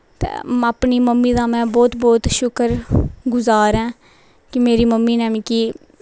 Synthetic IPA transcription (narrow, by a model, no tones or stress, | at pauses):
t̪ḛːaːpniːməmːĩːd̪aːmɛ̃ːbɔːt̪bɔːt̪ʃʊkəɾɡʊzaːɾɛ̃ː | kɪmeːɾiːməmːiːnɛ̃ːmĩːkiː